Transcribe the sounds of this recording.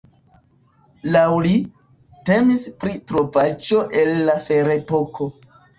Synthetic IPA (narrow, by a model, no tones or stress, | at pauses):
lawli | te̞mispɾitɾo̞vad͡ʒo̞ʔe̞lːafe̞ɾe̞po̞kʰo̞